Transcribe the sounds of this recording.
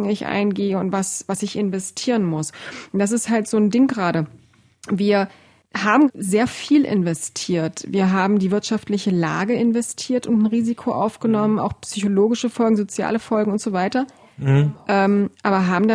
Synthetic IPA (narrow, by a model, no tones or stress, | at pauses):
ŋɪçʔa̰ɪnɡeːəʊntv̥asv̥asɪçɪnvɛstʰiːʁ̞ənmʊsnd̥as̬ɪsthaltz̥oːndɪŋɡʁaːɾə | viːɐ | haːbm̩zeːɐfiːlʔɪ̰nvɛstʰiːɐtviːɐɦaːbm̩diːvɪɐtʃaftlɪçəla̰ːɡəʔɪnvɛstʰiːɐtʊntn̩ʁiːzikʰoʔa̰ʊfɡ̥ənɔməna̰ʊxpsyçoloːɡɪʃəfɔlɡŋ̩zot͡sja̰ːləfɔlɡŋ̩ʊntz̥oːvaɪtɐ | ʔɛːmʔaːbɐɦaːbm̩da